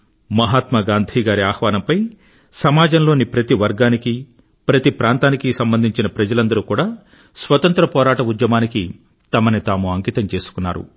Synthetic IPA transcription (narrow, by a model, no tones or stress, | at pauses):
mɐɦaːt̪mɐɡaːnd̪ʱiːɡaːɾiaːhʋaːnɐmpɐj | sɐmaːd͡ʒɐnloːnipɾɐt̪iʋɐɾɡaːniki | pɾɐt̪ipɾaːnt̪aːnikisɐmbɐnd̪ʱiɲt͡ʃinɐpɾɐd͡ʒɐlɐnd̪ɐɾukuːɽaː | sʋɐt̪ɐnt̪ɾɐpɔːɾaːʈɐud̪jɐmaːniki | t̪ɐmɐnit̪aːmuɐŋkiːt̪ɐmt͡ʃe̞ːsu̥kunːa̰ːɾṵ